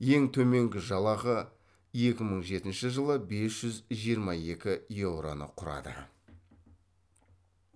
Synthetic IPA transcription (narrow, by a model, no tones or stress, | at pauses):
je̞ŋt̪ʰɵme̞ŋɡʲɪʒɑlˠɑʁə | e̞kʲɪməɴʒe̞t̪ɪnʃɪʒəlˠəbe̞sʒ̥ʏzʒijəɾmɑje̞kʲɪjewɾo̞̰nə̰qʰʊɾɑ̰d̪ə̰